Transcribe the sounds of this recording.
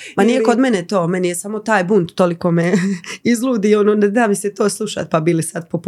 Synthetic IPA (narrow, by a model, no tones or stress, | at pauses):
mannijekod̪menet̪o̞ːmenijesamo̞t̪aːjbuːnd̪t̪olikomeizlˠuːd̪iononed̪aːʋiset̪o̞ːslˠuʃa̰t̪̚pabiːlisad̪̚pop